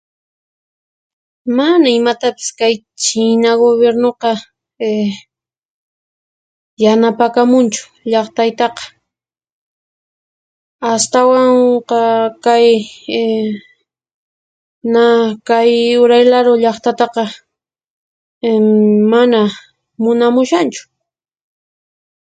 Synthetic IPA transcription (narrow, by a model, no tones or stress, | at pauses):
manaɪmat̪apɪ̥skaj | t͡ʃɪnaɡoβjeɾnoqɑ | janapakamʊnt͡ʃʊ̥ | ʎɑχt̪ajt̪ɑqɑ̥ | ast̪awaɴqɑkaj | nakajʊɾajlaɾoʎɑχt̪at̪ɑqɑ | mana | mʊnamʊʃant͡ʃʊ̥